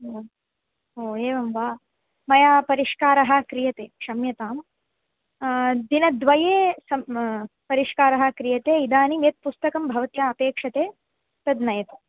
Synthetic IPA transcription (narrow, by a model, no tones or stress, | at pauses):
oː | oːeːʋɐmʋaː | mɐjaːpɐɾiʂkaːɾɐɦɐ̆kɾijɐt̪eːʂɐmjɐt̪aːm | d̪inɐd̪ʋɐjeːsɐpɐɾiʂkaːɾɐɦɐ̆kɾijɐt̪eːid̪aːniʋjɐt̪̚pust̪ɐkɐmbʱɐʋɐt̪jaːɐpeːkʂɐt̪eː | t̪ɐd̪nɐjɐt̪ɐ